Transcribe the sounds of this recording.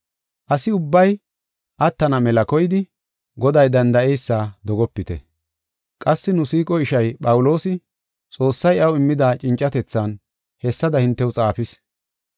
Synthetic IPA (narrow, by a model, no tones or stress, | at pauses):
ʔɐsɪʊbːɐj | ʔɐt̪ːɐnɐmɛlɐkɔjɪd̪ɪ | ɡɔd̪ɐjd̪ɐnd̪ɐʔɛjsːaːd̪ɔɡɔpːɪt̪ɛ̰ | kʼɐsːɪnʊsiːkʼɔɪʃɐjpʼɐwʊlo̞ːsɪ | t͡sʼo̞ːsːɐjɐwɪmːɪd̪aːt͡ʃʼɪnt͡ʃʼːɐt̪ɛt͡sːɐn | hɛsːɐd̪ɐhɪnt̪ːɛwʊt͡sʼaːfɪs